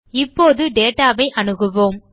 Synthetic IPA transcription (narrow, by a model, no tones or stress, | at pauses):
ɪpːoːðɯɖeːʈaːʋɐɪʔɐɳɯɣɯʋoːm